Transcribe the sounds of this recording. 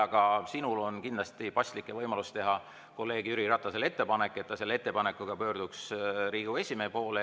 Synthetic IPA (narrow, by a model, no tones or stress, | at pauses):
ɑɡ̥ɑsinulo̞nkind̪lɑst̪ipɑsʲt̪likːˑe̞vɤjmɑlust̪e̞ɦɑ | ko̞lːeːɡ̥yɾiɾɑt̪ːˑɑsele̞t̪ːe̞pɑne̞kːˑe̞t̪ːɑselːeet̪ːe̞pɑnekːˑuɡ̥ɑpø̞ːrd̪̥uksɾiːɡ̥ue̞sʲimeːpo̞ːle